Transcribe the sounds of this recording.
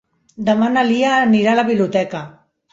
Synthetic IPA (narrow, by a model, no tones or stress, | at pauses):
d̪amanaliaːniɾalaβiβljut̪ɛka